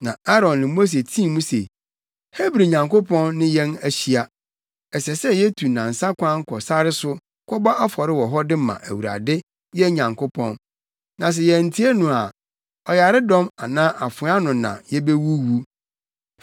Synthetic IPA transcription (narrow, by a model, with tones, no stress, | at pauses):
nã˨a˦ɾɔ̃˨nnɪ̃˨mo˦s̬e˨tʰĩ˦˨mũ˦se˨ | he˦bɾi˨ɲã˨ŋko˦pʰɔ̃˦nːɪ̃˦jɛ̃˦næ˨ɕi˦a˨ | ɛ˨sɛ˨sɛ˦jɛ˦tʰu˨nã˨n̩˨sã˦kʷʰã˦ŋ̩˦kʰɔ˨sa˦ɾɪ˦sʊ˦ | kʷʰɔ˦bɔ˦ʔa˦fɔ˨ɾɪ˦wɔ˨ɦɔ˦dɪ˦mã̰˨ʔæ̰˨wu˨ɾa̰˨dɪ˦ | jɛ˦ɲã˨ŋkʰo˦pʰɔ̃˦nː | nã˨s̬ɛ˨jɛ˨n̩˨tʰi˦e˦nũ˨a˨ | ɔ˨ja˨ɾɪ˦dɔ̃˦ma˨nãː˦ʔa˨fʊ̃˨˦a˦nʊ̃˨nã̰˨jɛ˦be˦wu˦wu˦